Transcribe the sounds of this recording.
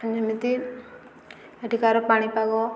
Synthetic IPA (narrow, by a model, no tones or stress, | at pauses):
nd͡ʒʱɐmit̪i | əʈikaɾɔpaɽ̃ipaɡɔ